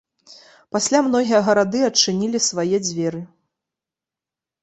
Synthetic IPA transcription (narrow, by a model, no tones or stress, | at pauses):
pasʲlʲamnɔɣʲijɐɣɐɾad̪ɨɐt͡ʂːɨnʲilʲisvajɛd͡zʲvʲɛɾɨ